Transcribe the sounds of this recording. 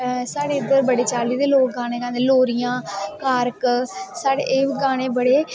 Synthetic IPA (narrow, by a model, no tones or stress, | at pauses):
saːɽeːɪd̪əɾbəɽeːt͡ʃaːliːd̪eːloːk̚ɡãːñeːɡãːd̪eloːɾijãːkaːɾksaːɽḛːʔɪːʋɡaːɽ̃eːbəɽeː